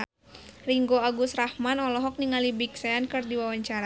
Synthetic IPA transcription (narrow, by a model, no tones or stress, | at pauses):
riŋɡoaɡusrahmanɔlɔɦɔk̚niŋalibik̚sɛankɨrdiwawaɲt͡ʃaɾa